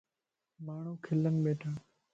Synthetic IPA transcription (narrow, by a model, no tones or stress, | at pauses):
maːɳ̤uːkʰɪlənɓeːʈʰãː